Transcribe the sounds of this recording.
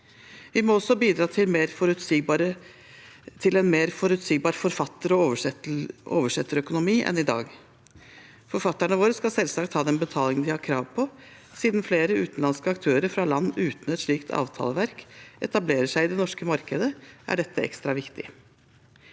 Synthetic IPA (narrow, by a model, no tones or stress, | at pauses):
ʋɪmɔɔsɔbiːd̪ɾɑːt̪ʰɪmeɾɔɾʉə | t̪ʰɪlɛnmeːɾfɔɾʉt̪siːɡ̚bɑːɾfɔɾfɑt̪ːəɾɔ | ʔo̰ːʋəʂɛt̪ːəɾœkʊnʊmiːʔɛ̰nɪd̪ɑ̰ːɡ | fɔɾfɑt̪ːæɳəʋoːɾəskɑlsɛlsɑkt̪hɑːd̪ɛnbət̪ʰɑːlɪŋənd̪ɪhɑɾkʰɾɑːʋpʰɔ | siːd̪nfleːɾəʉːt̪n̩lɑnskəɑkt̪ʰøːɾəɾfɾɑlɑnːʉːt̪n̩ɛt̪ʂɭiːkt̪ʰɑ̰ːʋt̪ʰɑ̰ːləʋæɾkʔɛt̪ɑbleːɾəʂæɪɪd̪ɛnɔʂkəmɑɾkəd̪əʔæ̰ɖɛt̪ʰːəʔɛ̰kst̪ɾɑʋɪkt̪ɪ